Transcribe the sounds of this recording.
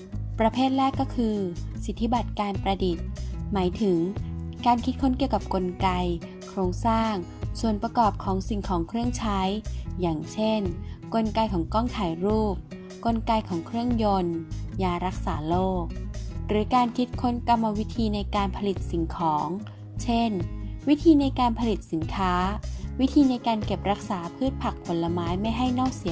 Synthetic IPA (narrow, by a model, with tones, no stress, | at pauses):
pɾa˧pʰeː˥˩t̪̚ɾɛː˥˩kːɔː˥˩kʰɯː˧si˨˦˩t̪ʰːi˦˥ba˨˩t̪̚kaː˧npɾa˧di˨˩t̪̚maː˩˦jt̪ʰɯ˩˦ŋkaː˧nkʰi˦˥t̪̚kʰo˦˥nki˨˩əwka˨˩p̚ko˧nka˧j | kʰɾoː˧ŋsaː˥˩ŋsu˨˩ənpɾa˧kɔː˨˩p̚kʰɔː˩˦ŋsi˨˩ŋkʰɔː˩˦ŋkʰɾɯ˥˩əŋt͡ɕʰa˦˥jjaː˨˩ŋt͡ɕʰe˥˩nko˧nka˧jkʰɔː˩˦ŋkɔː˥˩ŋt̪ʰaː˩˦jɾuː˥˩p̚ | ko˧nka˧jkʰɔː˩˦ŋkʰɾɯ˥˩əŋjo˧njaː˧ɾa˦˥k̚saː˩˦loː˥˩k̚ɾɯː˩˦kaː˧nkʰi˦˥t̪̚kʰo˧˥nka˧mːa˧wi˦˥t̪ʰiː˧na˧jkaː˧npʰa˧li˨˩t̪̚si˩˦ŋkʰɔː˩˦ŋ | t͡ɕʰe˥˩nwi˦˥t̪ʰiː˧na˧jkaː˧npʰa˧li˨˩t̪̚si˩˦nkʰaː˦˥wi˦˥t̪ʰiː˧na˧jkaː˧nke˨˩p̚ɾa˦˥k̚saː˩˦pʰɯː˥˩t̪̚pʰa˨˩k̚ʰo˩˦nla˧maː˦˥jma˥˩jɦa˥˩jnɔː˥˩k̚si˨˩˦